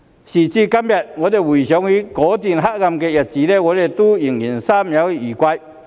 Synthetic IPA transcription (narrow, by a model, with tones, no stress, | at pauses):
ɕi˨˩t͡ɕiː˧ka˥mja˨˩t̚ŋɔ˨˧˦d̪e˨wu˨˩ɕ̬jɔ˨˦ŋi˨˧˦kɔː˨˦t̪̬i˨˩nɦa˦˥k̚ŋa˧mkɛ˧ja˨t̚t͡ɕiː˨˦le˧˩ŋɔː˨˧le˨˧˩t̪u˦ji˨˩ŋji˨˩nsaː˦˥mja˨˦wi˧iː˨˩kwa˧j